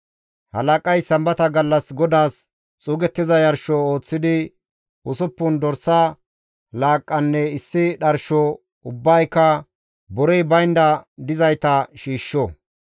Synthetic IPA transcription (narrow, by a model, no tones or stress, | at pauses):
hɐ̰lɐkʼɐjsɐmbɐt̪ɐɡɐlːɐsɡɔd̪aːs | t͡sʼuːɡɛt̪ːɪzɐjɐɾʃɔoːt͡sːɪd̪ɪ | ʊsʊpːʊnd̪ɔɾsɐ | laːkʼːɐnːɛɪsːɪɗɐɾʃɔ | ʊbːɐjkːɐ | bɔɾɛjbɐjnd̪ɐd̪ɪzɐjt̪ɐʃiːʃːɔ